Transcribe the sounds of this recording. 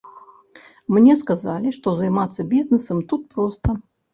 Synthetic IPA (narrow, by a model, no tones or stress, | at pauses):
mnʲɛskazalʲiʂt̪ɔzajmat̪sːɐbʲiznɛsɐmt̪ut̪̚pɾɔst̪ɐ